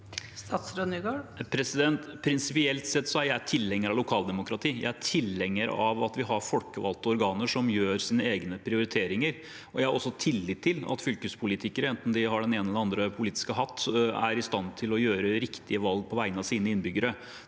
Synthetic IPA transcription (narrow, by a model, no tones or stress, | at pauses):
st̪ɑːt̪sɾød̪nyɡɑpʰɾɛsɪd̪ɛnt̪pʰɾɪnsɪpɪɛlt̪sɛt̪ːsɔæɾjæɪæʈʰɪlːɛŋːəɾɑʋlʊkʰɑːld̪ɛmʊkɾɑt̪ʰiːjæ̰ɪæʈʰɪlːɛŋːəɾɑʋɑt̪ʋɪɦɑɾfɔlkəʋɑ̰lt̪ɔɔɾɡɑːnəʂɔmjøːɾsiːnəeːɡnəpʰɾɪʊɾɪt̪ʰeːɾɪŋəɾ | ɔjæɪhɑɾɔsːɔt̪ʰɪlːɪt̪ʰːɪlɑ̰t̪fʏlkəspʰʊlɪt̪ʰɪkəɾəɛnt̪n̩d̪ɪhɑɖɛneːnəɛləɑnd̪ɾəpʰʊliːt̪ɪ̥skəɦɑt̪ʰːæ̰ɾɪst̪ɑnt̪ʰɪlɔjøːɾəɾɪkt̪ʰɪəʋɑlɡ̚pʰɔʋæɪənɑsiːnəɪnbʏɡəɾə